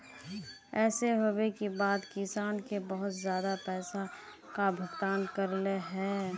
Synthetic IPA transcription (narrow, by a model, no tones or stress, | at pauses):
ɛːseɦoːbekibaːd̪kɪsaːnkebəɦʊt̪zjaːd̪apɛːsa | kabʱəɡt̪aːnkəɾleɦɛː